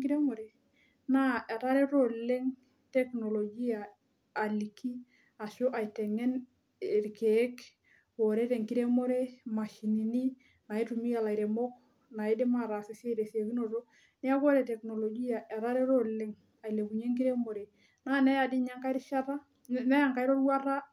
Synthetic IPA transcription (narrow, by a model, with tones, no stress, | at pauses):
ki˦ɾe˦mo˨ɾe˨ | na˦ʔe˨ɾa˦ɾɛ˦to˨le˦ŋ | tɛ˦kno˨lo˨d͡ʒi˦aː˨ | li˨kːi˦ | a˨ʃo˦ʔa˨i˨tɛ˨ŋɛ˦n˨ | ɾkeː˦k | o˨ɾe˦ɾe˨ŋki˦ɾe˦mo˦ɾe˦ma˨ʃi˨ni˨ni˦ | na˨i˦tu˨mi˦a˨la˨i˨ɾe˨mɔ˦k | na˨i˦dɪ˦ma˦˨ɾa˨se˨se˦ɾe˨si˨e˨ki˦no˨to˦ | nɪ˦a˦ko˦ɾe˨tɛ˨kno˨lo˨ɡi˦ja˨ʔɛ˨ɾa˦ɾɛ˦ɾo˦lɪ˦ŋ | a˨i˨le˨ku˨ɲe˦ŋki˦ɾe˦mo˨ɾe˨ | naː˦nɛ˦ja˨dɪ˦ɲa˦ŋka˦i˦ɾʃa˦ɾa˦ | nɛ˦ja˦˨ŋka˦i˦ɾo˦ɾwa˦ra˦